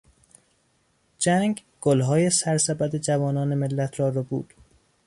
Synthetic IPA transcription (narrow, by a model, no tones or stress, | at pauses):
d͡ʒæŋɡ | ɡ̥olɦɒːjesæɾsæbæd̪ed͡ʒævɒːnɒːnemelːæt̪ʰrɒːɾɒːbṵːd̪̥